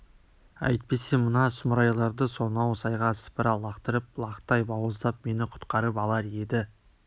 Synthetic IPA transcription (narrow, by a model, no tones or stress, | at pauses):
æ̰jt̪̚pe̞se̞mənɑsʊməɾɑjɑlˠɑɾd̪əso̞nɑwsɑjʁɑsə̥pəɾɑlˠɑqt̪əɾəp̚lˠɑqt̪ɑjbɑwəzd̪ɑp̚me̞nɪqʰʊ̥t̪qɑɾəpɑlˠɑɾe̞d̪ɪ